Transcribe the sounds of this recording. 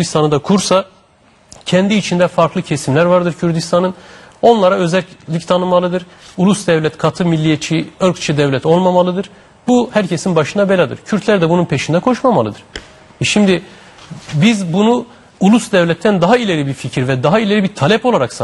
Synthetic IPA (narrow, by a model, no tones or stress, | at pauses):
ɾd̪ist̪ʰanɯd̪akʰuɾsa | cʰɛnd̪iːt͡ʃʰind̪ɛfaɾklˠɯcʰesimlʲæɾvaɾd̪ɯɾcʰyɾd̪ist̪ʰanɯn | o̞nlˠaɾaø̞zɛlʲlʲict̪ʰanɯmalˠɯd̪ɯɾ | ulˠusd̪ɛvlʲɛt̪kʰat̪ʰɯmilʲːijet͡ʃʰiøɾkt͡ʃʰid̪ɛvlʲɛt̪o̞lˠmamalˠɯd̪ɯɾ̥ | buhæɾcʰesinbaʃɯnabe̞lʲad̪ɯ̰ɾcʰyɾt̪ʰlʲæɾd̪ɛbununpʰe̞ʃind̪ɛkʰo̞ʃmamalˠɯd̪ɯɾ̥ | ɛʃimd̪i | bizbunu | ulˠusd̪ɛvlʲɛt̪ʰːænd̪aɦailʲe̞ɾʲibiɾficʰiɾvɛd̪aɦailʲe̞ɾibiɾt̪ʰalʲɛpo̞lˠaɾaks